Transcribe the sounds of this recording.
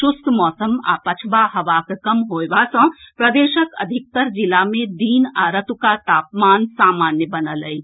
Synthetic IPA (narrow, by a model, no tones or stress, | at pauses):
sʊst̪ʰmɔːsəma̰ːpət͡ʃʰbaɦɐʋaːkekəmɦoːʋasə̃pɾəd̪eːʃəkə̰d̪ʱik̚t̪əɾd͡ʒilamẽd̪iːnaɾət̪ukat̪aːpmaːnsaːmaːnjəbənələi